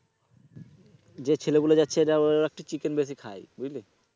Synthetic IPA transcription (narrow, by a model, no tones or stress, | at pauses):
d͡ʑet͡ɕʰeleɡuled͡ʑatːʰeɾaɛk̚ʈit͡ɕikenbes̬ikʰa̰jbujli